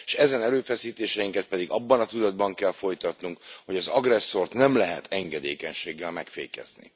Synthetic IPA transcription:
ʃɛzɛnɛɾøːfɛsiːt̪eːʃɛjiŋkɛt̪̚pɛd̪iɡɒbːɒnɒt̪ud̪ɒd̪̚bɒŋkɛlfo̞jt̪ɒt̪nuŋkho̞ɟɒzɒɡrɛsːo̞rt̪nɛmlɛɦɛ̰t̪ʰɛŋɡɛd̪ḛːkɛɲʃeːɡːɛlmɛkfḛjkɛ̰z̥nḭ

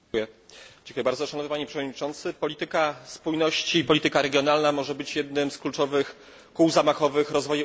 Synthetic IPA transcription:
jɛ̥d͡ʑ̥ʲẽŋkujɛbaɾd̪zɔʂanɔvnpaɲɛpʂɛvɔd̪ɲit͡ʂɔnt̪sɘpɔlʲit̪ɘkaspujnɔɕt͡ɕiːpɔlʲit̪ɘkaɾɛɡʲjɔnalnamɔʐɛbɘt͡ɕjɛd̪nɘmsklut͡ʂɔvɘx | kuwzamaxɔvɘxɾɔzvɔju

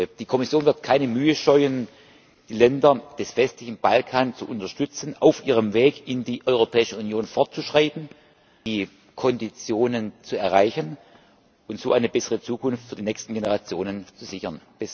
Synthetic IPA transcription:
d̥iːkʰɔmɪsjoːnvɪɐtkʰaɪnəmyːəʃɔʏən | d̥iːlɛndɐd̥ɛsv̥ɛstlɪçn̩b̥alkʰaːnt͡suʔʊntɐʃtʏt͡sn̩aʊfʔiːʁ̞əmveːkɪndiːʔɔʏʁopʰɛːɪʃəunjoːnfɔɐtt͡suʃʁ̥aɪtn̩ | iː | kʰɔndit͡sjoːnənt͡suɛɐʁaɪçən | ʔʊntz̥oːʔaɪnəbɛsəʁət͡suːkʰʊnftfyːɐdiːnɛkstn̩ɡenəʁat͡sjoːnənt͡suz̥ɪçɐnb̥ɪs

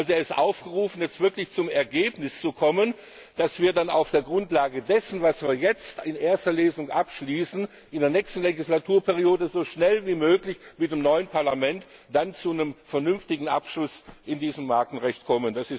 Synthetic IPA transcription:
ʔalzoeːɐɪstʔaʊfɡ̥əʁuːfn̩jɛt͡stv̥ɪɐklɪçt͡sʊmɛɐɡeːpnɪst͡sukʰɔmən | d̥asv̥iːɐdana̰ʊfd̥eːɐɡʁʊntlaːɡədɛsn̩vasv̥iːɐjɛt͡stɪnʔeːɐstɐleːzʊŋʔapʃliːsn̩ | ʔɪndeːɐnɛçstn̩leɡɪslatʰuːɐpʰɛʁioːdəzoːʃnɛlviːmøːklɪçmɪt̚d̥emnɔʏənpʰaɐlamɛntd̥ant͡sunəmfɛɐnʏnftɪɡŋ̩ʔapʃlʊsʔɪndiːzəmːaɐkn̩ʁɛçtkʰɔmənd̥asɪs

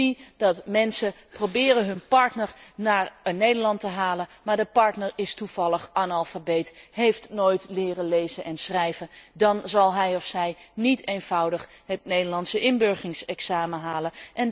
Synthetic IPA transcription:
idɑtmɛnsə | prowbɪːrənɦɵnpɑɹtnəɹnaːrənnejdəɹlɑntəɦaːlənmaːɹdəpɑɹtnəɹɪstuv̥ɑlˠəχʔaːnalˠfabetɦejftnoːjtlɪːrəlejzənʔɛnsrɛjvəndɑnzɑlˠɦɛjɔfsɛjnitʰejnv̥ʌwdəχ | ɦətnejdəɹlɑntsəʔɪnbøɹχɪŋsɛksaːməɦaːləʔɛn

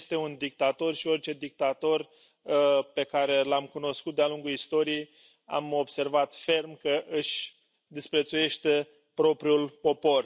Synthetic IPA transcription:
st̪e̞und̪ik̚t̪at̪o̞rʃio̞rʲt͡ʃe̞d̪ik̚t̪at̪o̞r | pe̞kaɾe̞lamkuno̞skut̪̚d̪ealuŋɡuist̪o̞ɾijej | a̰mo̞bse̞rvat̪fe̞rmkəʔɨʃʲ | d̪ispɾe̞t̪suje̞ʃt̪e̞ | pɾo̞pɾʲiulpo̞po̞r

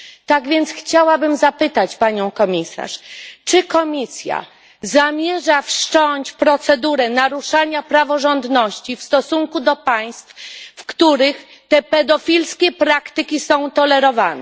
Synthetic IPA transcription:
t̪aɡvʲjɛnt̪sxt͡ɕawabɘmzapɘt̪at͡ɕpaɲɔ̃w̃kɔmʲisa̰ʂt͡ʂɘkɔmʲisja̰ | zamʲjɛʐafʂt͡ʂɔɲt͡ɕpɾɔt̪sɛd̪uɾɛnaɾuʂaɲapɾavɔʐɔnd̪nɔɕt͡ɕifst̪ɔsuŋkud̪ɔpaj̃st̪ffkt̪uɾɘx | t̪ɛpɛd̪ɔfʲilskʲɛpɾakt̪ɘkʲisɔ̃w̃t̪ɔlɛɾɔvanɛ̰

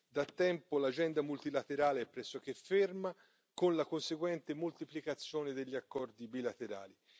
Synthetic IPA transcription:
d̪at̪ːɛmpolad͡ʒɛnd̪amult̪ilat̪eɾaːleɛpːɾɛsːok̟efːerma | konlakonseɡwɛnt̪emolt̪iplikat̪sːjoːned̪eʎːiakːɔrd̪ibilat̪eɾa̰ːli

